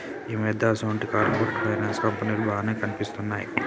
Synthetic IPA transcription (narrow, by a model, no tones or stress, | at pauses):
iːmɛd̪aːsɐuɳʈikaːɾpoːɾeʈpʰɐjɾɐnskɐmpɐniːlubʱaːneːkɐnipist̪unːaːjḭ